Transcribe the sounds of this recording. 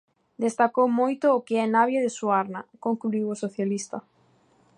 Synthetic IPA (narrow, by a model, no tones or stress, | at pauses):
d̪est̪akowmojt̪ʊːkeɛnaβjaðesuaɾnakoŋkluiwosoθjalist̪a